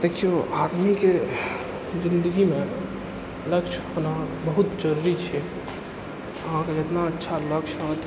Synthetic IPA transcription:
d̪ekʰijoad̪mike | d͡ʒĩnd̪əɡimẽ | ləkʃʰɦonabəɦut̪d͡ʒəɾuɾit͡ʃʰɛ | əɦãked͡ʒet̪naətːʃʰaləkʃɦot̪

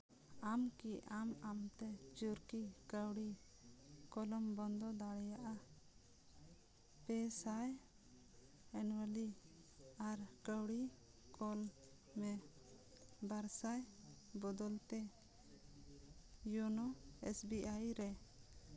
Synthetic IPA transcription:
amkiamamt̪ɛt͡ʃuɾkikəwɽi | kɔlɔmbɔnd̪ɔd̪aɽɛjaʔa | pɛsaj | ɛnwəli | aɾkəwɽi | kʰɔl | mɛ | baɾsaj | bɔd̪ɔlt̪ɛ | jɔnɔɛ̰sbiʔajɾɛ

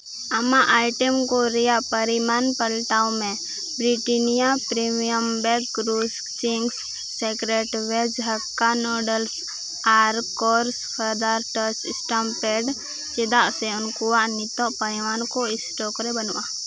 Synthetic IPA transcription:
ɐmãʔaːɪʈəmkoɾijapəɾimaːnpəlʈaʊ̃mẽ | bɾiʈinijapɾemijəmbɛɡkɾus | t͡ʃiŋɡs | sekɾeʈʋed͡ʒɦəkːanɔɖəls | aːɾkɔːɾspʰəɾd̪aɾʈət͡ʃɪsʈampeɖ | t͡ʃed̪aʔseʊnkuaʔnɪt̪ɔʔpəɪʋaːnkoɪsʈɔkɾebənuʔa

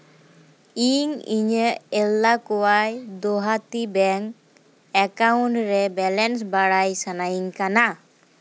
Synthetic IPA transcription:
iɲḭɲəelːakɔwajd̪oɦat̪ibɛŋ | ɛkawɳʈɾɛbɛlɛns̬baɽajsanajiŋkana

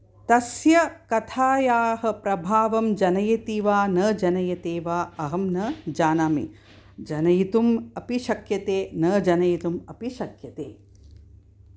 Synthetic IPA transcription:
t̪ɐsjɐkɐt̪ʰaːjaːɦɐ̆pɾɐbʱaːʋɐmd͡ʒɐnɐjɐt̪iʋaːnɐːd͡ʒɐnɐjɐt̪eːʋaːɐɦɐmnɐd͡ʒaːnaːmḭ | d͡ʒɐnɐjit̪umɐpiʃɐkjɐt̪eːnɐːd͡ʒɐnɐjit̪umɐpiʃɐkjɐt̪eː

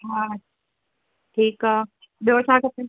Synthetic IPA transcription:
ɦa | ʈʰiːkaː | ɓijot͡ɕʰaːkɐt̪e

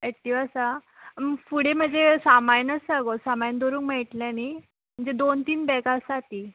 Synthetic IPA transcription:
eʈːiʋasa | mfuɽem̤əɳd͡zesamajnəsaɡosamajnd̪oɾuːŋkmeʈljani | m̤əɳd͡zed̪ont̪iːnbɛkasat̪i

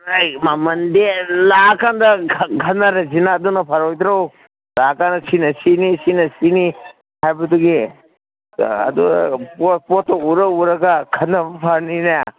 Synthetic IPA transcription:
ajmamɐndelakandɐɡʱɐnːɐɾɐzinaːdunɐpʰaɾojd̪ɾaw | lakandɐsinɐsinisinɐsini | hajbɐtuɡi | ɐ̰duppotːɐuɾɐuɾɐɡakʰɐnːɐbpʰaɾninaja

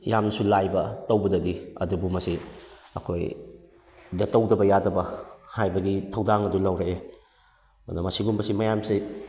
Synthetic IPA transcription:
jamnɐsulajbɐtɐwbɐdɐdiɐ̰dubumɐsiɐ̰kʰoj | dɐtɐwdɐbɐjadɐbɐhajbɐɡitʰɐwdaŋɐdulɐwɾɐe | mɐ̰nɐmɐsiɡumbɐsimɐjamsi

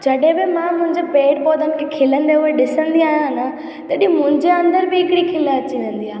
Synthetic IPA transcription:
d͡ʑɐɗɦẽbɪmãmʊ̃ɦɪ̃ɲd͡ʑepeːʈ̚bɔːd̪ʱənɪkʰekʰɪlə̃nd̪euɦeɗɪsə̃nd̪iaːɦijãna | t̪ɐɗĩmʊ̃ɦɪ̃ɲd͡ʑeɐ̃nd̪əɾbɪɦɪkɪɽikʰɪlaɐt͡ɕiʋẽːn̆d̪iaːɦ

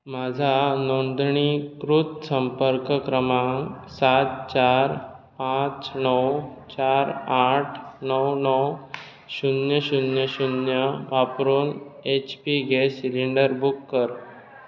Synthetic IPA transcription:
mad͡ʑʱanond̪ɳikɾut̪səmpəɾkəkɾəmaŋsat̪̚t͡ɕaɾ | pãt͡snəwt͡ɕaɾaʈʰnəwnəw | ɕunjəɕunjəɕunjəʋapɾuːnet͡ɕpiɡesiliɳɖəɾbukːəɾ

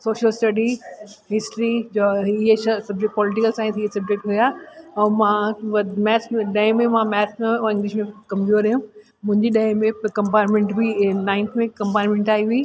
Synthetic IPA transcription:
soːʃəlsʈɐɖiɦɪsʈɾid͡ʑoɪɦeɐsɐb̚d͡ʑek̚ʈ̚pɔːlɪʈɪkəlsãːt̪ʰiesɐb̚d͡ʑek̚ʈɦujaɛ̃mãmɛːsmẽɗɐɦɪ̃mẽmãmɛːsmẽɪ̃ŋɡlɪʃmẽkɐ̃mpjuːʈəɾɐɦũ | mʊ̃ɦɪ̃ɲd͡ʑiɗɐɦɪ̃mẽkɐ̃mpaːɾmẽɳʈbʱinaːɪnt̪ʰmẽkɐ̃mpaːʈmẽɳʈaːiʋiː

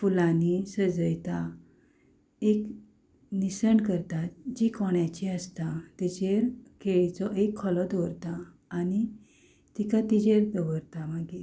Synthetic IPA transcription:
fulanisəd͡zəjt̪a | ek | nisəɳkəɾt̪at̪d͡ʑikɔɳjat͡ɕiəst̪at̪id͡ʑeɾkeɭt͡sɔʔekʰːɔlɔd̪ʱɔɾt̪aː | ñi | t̪ikat̪id͡ʑeɾd̪əʋəɾt̪amaɡi

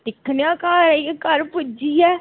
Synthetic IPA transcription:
ʈ̪ɪkʰnjãːkaːɾɛjekəɾpʊd͡ʒiːɛː

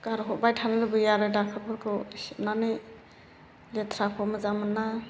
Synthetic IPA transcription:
kaɾɦɔbajtʰanɯlɯbɯjaɾɯdakʰɯɾbʰɯɾkʰɯnanɯj | let̪ʰɾakʰɔmɯzamɯnːa

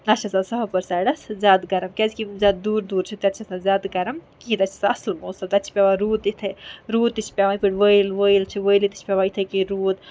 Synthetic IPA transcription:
ɐtt͡ʃʰasãsɐɦpɐɾsajɖɐszʲaːd̪ɡɐɾɐmkɛzkizʲaːd̪̚d̪uːɾd̪uːɾt͡ʃʰit̪ɐt̪ːt͡ʃʰasãzʲaːd̪ɡɐɾəmkĩːt̪ɐt͡ʃʰi̥sɐslmoːsɐt̪ɐt͡ʃʰi̥pʲaʋaɾuːd̪it̪ʰeɾuːd̪it͡ʃʰpʲaʋapiʈʋəjlʋəjlt͡ʃʰiʋəjlit̪i̥t͡ʃʰpʲaʋait̪ʰəkiɾuːd̪

